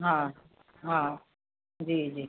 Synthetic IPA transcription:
ɦã | ɦã | d͡ʒiːd͡ʒiː

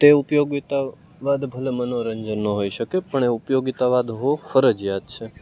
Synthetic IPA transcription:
t̪eupjoɡit̪a | ʋad̪bʱəlemənoɾəɲd͡ʒənːəɦoiʃəkepəɳeupjoɡit̪aʋad̪ɦofəɾəd͡ʒjad̪t͡ʃʰe

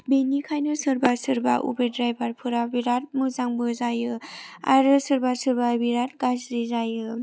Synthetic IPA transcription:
benikʰajnɯsɯɾbasɯɾbaʔṵbedɾajbaɾpʰɯɾabiɾat̚mɯzaŋbɯzajɯa̰ɾɯsɯɾbasɯɾbabiɾat̚ɡasɾizajɯ

